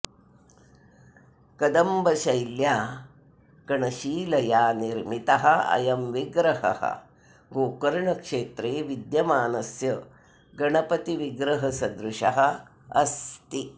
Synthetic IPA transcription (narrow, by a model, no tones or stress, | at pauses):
kɐd̪ɐmbɐʃɐjljaː | kɐɳɐʃiːlɐjaːniɾmit̪ɐɦɐɐ̰jɐmʋiɡɾɐhɐ̰hɐ̰ | ɡoːkɐɾɳɐkʂeːt̪ɾeːʋid̪jɐmaːnɐsjɐ | ɡɐɳɐpɐt̪iʋiɡɾɐɦɐsɐd̪ɾuʃɐɦɐ̆ | ɐ̰st̪i